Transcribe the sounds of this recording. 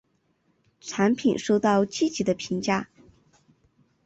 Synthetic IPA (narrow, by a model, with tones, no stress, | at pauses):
ʈ͡ʂʰa˧˥npʰi˨˩nʂo˥˧ʊt̪ɑ˥˧ʊt͡ɕi˥˩t͡ɕi˧˥d̪ə˧pʰi˧˥ŋt͡ɕja˥˩